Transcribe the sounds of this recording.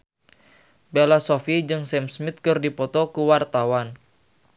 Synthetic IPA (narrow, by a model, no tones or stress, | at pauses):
belasɔfid͡ʒɨŋsɛmsmit̪̚kɨrdipɔt̪ɔkuwart̪awan